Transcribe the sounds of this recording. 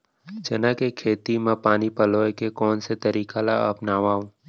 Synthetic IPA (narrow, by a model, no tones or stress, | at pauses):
d͡ʒɐnakekʰeːt̪imãpaːnipəloːekekɔːnset̪ɐɾiːkalaɐpnaːʋaːũ